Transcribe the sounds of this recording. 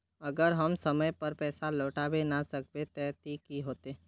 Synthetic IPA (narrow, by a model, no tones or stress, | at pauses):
əɡəɾɦəmsəməjpəɾpɛːsaloːʈaːʋenasək̚bet̪ɛt̪ikiɦoːt̪eː